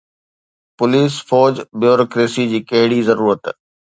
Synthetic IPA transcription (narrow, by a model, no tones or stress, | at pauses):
pʊliːsfɔːd͡ʑbjoːɾoːkɾeːsid͡ʑiːkɐɦɪɽizɐɾuːɾət̪